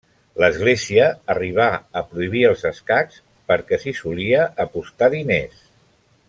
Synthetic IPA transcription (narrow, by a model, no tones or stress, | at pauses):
ləzɣleziəːriβ̞aəpɾuiβ̞iəlˠzəskaks | pəɾkɛsisuliəːpust̪aðines